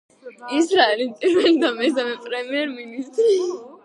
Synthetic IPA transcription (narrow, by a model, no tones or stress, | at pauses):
isɾaɛlipʼiɾvɛlid̪amɛsamɛpʼɾɛmiɛɾminist̪ʼɾi